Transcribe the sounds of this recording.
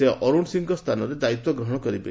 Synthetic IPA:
eʔɔɾuɳɖsiŋɡɔst̪ʰanɔɾed̪ait̪wɔɡɾɔɦɔɽ̃ɔkɔɾibḛ

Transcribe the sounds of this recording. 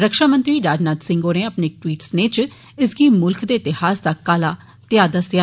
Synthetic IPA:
ɾəkʃaːmə̃nt̪ɾiːɾaːd͡ʒnaːd̪sɪ̃ŋɡoːneːəpneːʈwiːʈsneːt͡ʃ | ɪsɡiːmʊlkʰd̪eːɪt̪ɪhaːsd̪aːkaːlaː | t̪ɪjaːd̪aːsjaː

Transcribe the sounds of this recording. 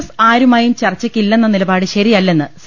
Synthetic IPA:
saːɾumaːjumt͡ɕɐrt͡ɕːɐkʲːilːe̞nːɐnilɐbaːɽɨɕɐɾiɐlːe̞nːɨs

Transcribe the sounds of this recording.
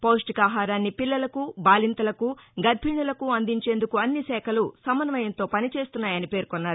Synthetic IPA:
poːʂʈikaːɦaːɾaːnːipilːɐlɐkubaːlint̪ɐlɐkuɡɐɾbʱiɳɐlɐkuɐnd̪iɲt͡ʃe̞ːnd̪ukuɐnːisɛːkʰɐlusɐmːɐnɐʋɐjɐnt̪o̞ːpɐnit͡ʃe̞ːst̪unːaːjɐnipe̞ːɾkɔnːaːɾu

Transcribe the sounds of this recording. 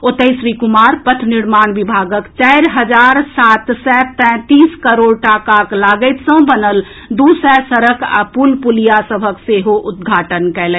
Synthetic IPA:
ot̪əɪsɾikumaɾpət̪ʰniɾmanbibʱaɡəkt͡ʃaɪɾɦəd͡ʒaɾsat̪sɛt̪ɛ̃t̪iskəɾoɽʈakaklaɡəɪt̪sə̃bənəl | d̪usɛsəɾəkʰa̰pulpulijasəbʱəkseɦoʔʊd̪̚ɡʱaʈənkɛlɛ

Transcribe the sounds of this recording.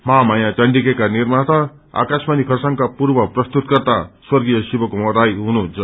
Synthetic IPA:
mamajãt͡sʌɳɖikekanirmat̪ʌ | a̰kasmanikʰʌsaŋkapurbʌprʌst̪ut̪̚kʌrt̪aswʌrɡijʌsibʌkomʌd̪ajɦununt͡sʰʌ

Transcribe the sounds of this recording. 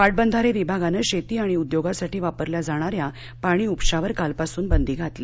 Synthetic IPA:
paʈ̚bənd̪ʱaɾeʋibʱaɡanəɕet̪iːaɽ̃iud̪joɡasaʈiːʋapəɾljad͡zaɽ̃aɾja | paɽ̃iːupɕaʋəɾkalpasuːnbənd̪ʱiːɡʱat̪le

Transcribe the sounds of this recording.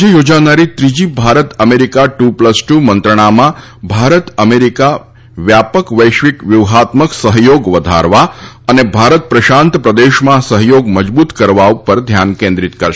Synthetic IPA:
d͡ʒejod͡ʒanaɾit̪ɾid͡ʒibʱaɾət̪əmeɾikaʈupləsʈumənt̪ɾəɳ̃amã | bʱaɾət̪əmeɾika | ʋjapəkʋəjʃʋikʋjuʋɦat̪məksəɦjoɡʋəd̪ʱa̰ɾʋa | ənebʱaɾət̪̚pɾəʃãnt̪pɾəd̪eʃmãsəɦjoɡməd͡ʒbut̪kəɾʋaupəɾd̪ʱjankẽnd̪ɾit̪kəɾʃ

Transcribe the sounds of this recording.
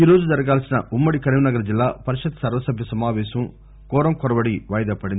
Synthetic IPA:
iːɾoːd͡ʒud͡ʒɐɾɐɡaːlsinɐumːɐɽikɐɾiʋinɐɡɐɾɐd͡ʒilːaːpɐɾiʃɐd̪sɐɾʋɐsɐbʱjɐsɐmaːʋɛːsɐm | kɔːɾɐmkɔɾɐbɐɽiʋɐːjɐd̪ɐpɐɽin

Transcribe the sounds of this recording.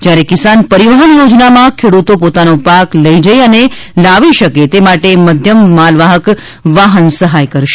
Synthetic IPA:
d͡ʒjaɾekɪsanpəɾiʋəɦənjod͡ʒnamãkʰeɽut̪opot̪anopakləid͡ʒəjənelaʋiʃəket̪emaʈeməd̪ʱjəmːalʋaɦək | ʋaɦənsəɦajkəɾʃe

